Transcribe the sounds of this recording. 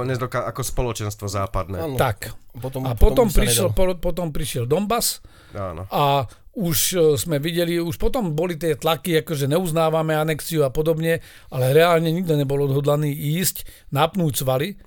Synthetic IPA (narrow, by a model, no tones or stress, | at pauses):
ɲɛd̪ɔkaakɔspɔlɔt͡ʃɛnst̪ʋɔzaːpad̪nɛ̰t̪akapɔɔmpɾiɛɔpɔt̪ɔmpɾiʃɪɛld̪ɔmbas | a̰ːnɔ̰auʃzmɛʋiɟɛliuʃpɔt̪ɔmbɔlit̪ɪɛt̪lakiakɔʒɛɲɛuznaːʋamɛanɛkt͡siuapɔd̪ɔbɲɛ | ʔalɛɾɛaːlɲɛɲiɡ̚d̪ɛɲɛbɔlɔd̪ɦɔd̪laniːiːscnapnuːczʋali